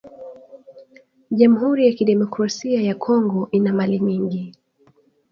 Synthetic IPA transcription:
ʄamuhuɾijakiɗɛmɔkɾasiajakʰɔŋɡɔʔinamaliɲiŋɡi

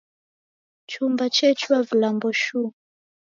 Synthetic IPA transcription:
t͡ʃumbat͡ʃɛt͡ʃuavilambɔʃu

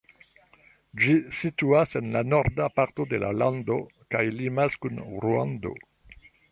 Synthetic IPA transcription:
d͡ʒisituasenlanoɾdapaɾtodela̰land̪okajlimaskunɾua̰ndo̞̰

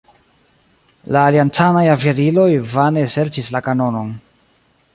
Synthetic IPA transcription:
laːliantanajavaɾilo̞jvane̞se̞ɾt͡ʃislakano̞no̞n

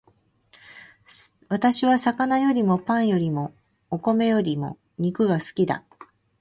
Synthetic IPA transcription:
βat̪aɕiβasakanajo̞ɾʲimo̞pãɰ̃jo̞ɾʲimo̞ː | ko̞me̞jo̞ɾʲimo̞̰ | ɲ̟ikɯ̟ɡasɨ̥kʲid̪a̰

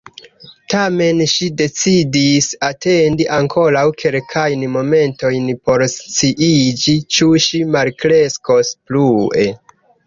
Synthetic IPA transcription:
tame̞nʃide̞t͡sidisate̞ndiʔaŋkʰo̞ɾawkʰe̞lkʰajnmo̞me̞nto̞jnpo̞ɾst͡siʔid͡ʒit͡ʃuʃimalkɾe̞sko̞splue̞

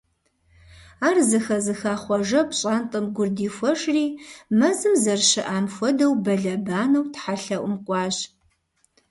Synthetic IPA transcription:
aːrzɨxɐzɨxaːχʷɔʒɐpɕʼaːntʼɨmɡʷʊrdiːfʷɔʂriːmɐzɨmzɐrʃɨʔaːmxʷɔdɐwbɐɮɐbaːnɐwtħaɬɐʔʷʊmqʷʼɑːɕ

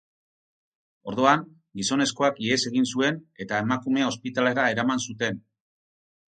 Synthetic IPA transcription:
o̞ɾð̞oaŋ | ɡiso̞ne̞sko̞akese̞ɣinsue̞ne̞t̪aemakume̞o̞spit̪ale̞ɾae̞ɾamansut̪e̞n

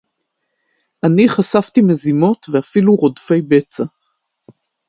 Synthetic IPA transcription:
ʔaniχasaft̪ime̞zimo̞t̪veafiluʁo̞dfe̞jbe̞t͡sa

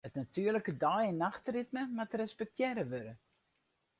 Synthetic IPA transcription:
ətnatyərləkədɔjɪnːaxtritməmatrɛspɛk̚tʰjɛɾəʋøɾə

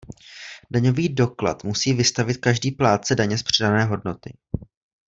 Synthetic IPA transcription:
daɲo̞viːdo̞kla̰t̪musiːvɪst̪avɪt̪̚kaʒdiːplaːt̪̚t͡sɛdaɲɛspr̥ɛdanɛːɦo̞dno̞t̪ɪ̰

